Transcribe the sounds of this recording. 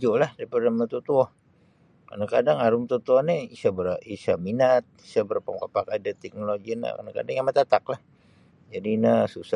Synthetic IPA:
d͡ʒolahdapərnamat̪ut̪uɔh | ka̰nakadaŋaɾʊmt̪ut̪uɔhniisabəɾisaminat̪̚isabəɾpaŋkapakadat̪ɛk̚noloɡina̰ka̰naka̰daŋjamat̪at̪aklah | d͡ʒadinasusa

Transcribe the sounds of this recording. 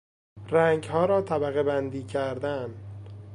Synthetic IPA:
ræŋɡhɒːɾɒːt̪ʰæbæɣebænd̪iːcʰæɾd̪æn

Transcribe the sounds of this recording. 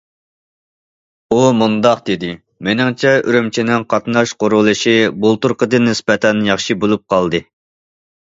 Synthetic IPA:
umund̪ɑqd̪ed̪ɪ | menɪŋt͡ʃʰɛyɾymt͡ʃʰinɪŋqʰɑt̪nɑʃqoɾʊlˠɨʃibolˠt̪uɾqəd̪ɨnːɪspɛt̪ʰɛnjɑχʃibolˠup̚qʰɑlˠd̪ɨ

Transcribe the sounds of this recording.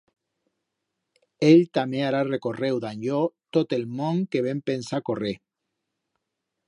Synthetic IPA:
eʎt̪ameaɾarekorewd̪aɲʎot̪ot̪elmõŋkeβ̞empensakore

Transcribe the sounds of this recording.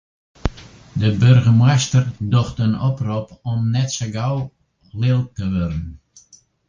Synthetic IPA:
dəbørɣəmɛjstərdoxtənɔpropɔmnɛtsəɡaw | lɪlˠtəʋøɾən

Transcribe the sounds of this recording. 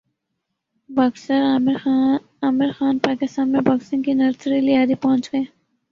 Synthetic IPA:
bɐksəɾmɪɾ | aːmɪɾxaːnpaːkɪst̪aːnmẽbaːksɪ̃ŋɡkinɐɾsɾilijaːd̪ipɐɦʊ̃nt͡ʃɡɐeː

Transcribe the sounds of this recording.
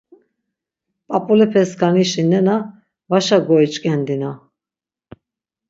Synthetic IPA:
pʼapʼulɛpʰɛskʰaniʃinɛna | vaʃaɡɔit͡ʃʼkʼɛnd̪ina

